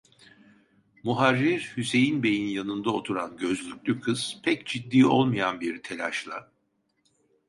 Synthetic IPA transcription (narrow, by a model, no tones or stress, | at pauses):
muɦaɾːiɾhyse̞jinbe̞jinjanɯnd̪aot̪ʰuɾanɟø̞zlʲycʲlʲykʰɯz̥pʰɛcd͡ʒid̪ːiːo̞lˠmajanbiɾt̪ʰe̞lʲa̰ʃlˠa